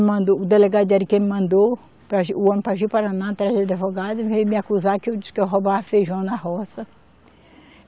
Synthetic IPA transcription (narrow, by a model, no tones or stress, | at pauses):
mɐ̃nd̪oʊd̪eleɡad̪ʊd͡ʒ̪aɾikẽmɪmɐ̃nd̪o | pɾaʒiʊɐ̃nʊpaʒiwpaɾanat̪ɾajd̪ɪd̪evoɡad̪ʊivejmɪakuzakɪewd͡ʒisɪ̥kewɦobafejʒuɐ̃w̃nɐɦɔsɐ